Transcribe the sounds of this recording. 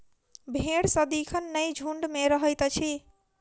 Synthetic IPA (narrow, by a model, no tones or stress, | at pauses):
bʱeɽsəd̪ikʰənːəjd͡ʒʱuɳɖmeɾəɦəjt̪t͡ʃʰi